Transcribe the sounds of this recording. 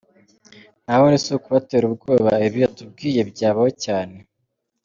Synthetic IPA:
nahonisukuβateːɾubɡo̞ːβaeβijatub̚ɡiːje̞bɟaːβahocaːne̞

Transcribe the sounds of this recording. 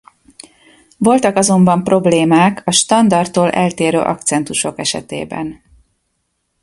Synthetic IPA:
vo̞lt̪ɒkɒzo̞mbɒmpro̞bleːmaːkʰɒʃt̪ɒnd̪ɒrt̪ːoːlʔɛ̰lt̪eːɾø̰ːʔɒ̰kt̪sɛnt̪uʃo̞kɛʃɛ̰t̪ḛːbɛ̰n

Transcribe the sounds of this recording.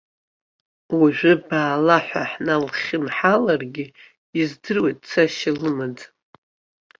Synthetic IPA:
waʒᶣʷʏbaːlaħʷa̰ħnalχʲɪmħalarɡʲɪ | izdɨrwejt̚t͡sʰaʃɪlɨmɨd

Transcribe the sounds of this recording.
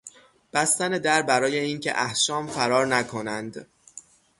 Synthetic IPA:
b̥æst̪æned̪æɾbæɾɒːje̞iːncʰḛʔæhʃɒːmfæɾɒːɾnækʰo̞nænd̪

